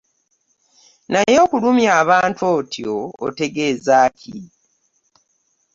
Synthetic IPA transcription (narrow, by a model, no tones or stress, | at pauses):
najo̞ːkulumjaːβaːntwo̞tjo̰ːte̞ɡe̞ːzaːcʰi